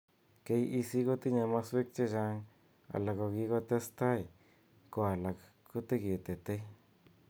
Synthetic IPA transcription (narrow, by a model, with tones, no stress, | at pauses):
ke˧ji˧si˦ɡo˦t̪i˦ɲa˧ma˧swe˦k̚t͡ʃe˦d͡ʒa˧ŋ | a̰˨la˨ɡo˧ɡi˧ɡo˦˧t̪e˦st̪a˦˨j | ko˧a˨la˨k | ko˦t̪e˦ɡe˨t̪e˨t̪e˦